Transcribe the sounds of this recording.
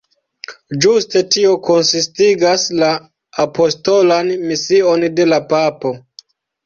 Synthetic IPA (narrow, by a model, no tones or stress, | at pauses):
d͡ʒuste̞tio̞ko̞nsistiɡaslaː | po̞sto̞lanmisio̞nde̞lapapo̞